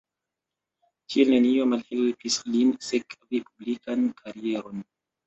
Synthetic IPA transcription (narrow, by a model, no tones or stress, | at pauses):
kielnenio̞malhelpislinsekvipublikankʰaɾie̞ɾo̞n